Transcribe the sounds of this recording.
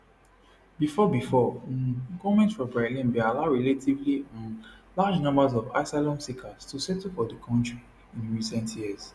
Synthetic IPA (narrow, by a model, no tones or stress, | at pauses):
bifɔbifɔ̃ | ɡomɛ̃ntfɔbɹalĩnbialaʊɹɛletʰivliɔ̃nlad͡ʒnɔ̃mbazɔva̰ɪsalɔ̃nsikʰastʰusɛtfɔdəkʰɔ̃ntɹi | ĩnɹisɛ̃ntʰjiəz̥